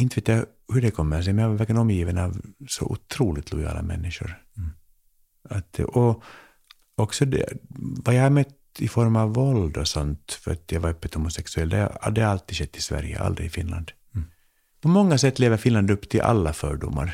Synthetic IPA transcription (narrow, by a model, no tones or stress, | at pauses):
ɪnt̪əveːt̪ja | hɵɖɛkʰɔmːəɾs̬ɛmɛnjavaɾvæɾkːənɔmːjiːvənɑvsɔ̰ʔʊt̪ʰɾuːlɪt̪ʰlʊjɑ̰ːla̰mɛ̰nːɪʂʊ̰ɾ | at̪̚ɛʔɔ | ɔksɔd̪ɛ̰vajahaɾmœt̪ː | ɪfɔɾmavːɔld̪ɔsɔnt̪fœɾat̪javaɾœpːət̪hʊmʊsɛksʉɛlːd̪ɛ̰d̪ɛhaɾalt̪ːid̪ɕɛt̪ːɪsvæ̰ɾjə̰ʔa̰ld̪ɾɪ̰ɪfɪnla̰nd̪ | pʰɔmɔŋːasɛt̪ːleːvəɾfɪnland̪ɵpːt̪ʰɪlʔa̰lːafœ̰ːɖʊ̰mːa̰ɾ